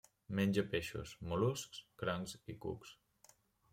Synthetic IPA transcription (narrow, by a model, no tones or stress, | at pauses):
menʲd͡ʒəpeʃṵsmoluskskɾaŋzikṵks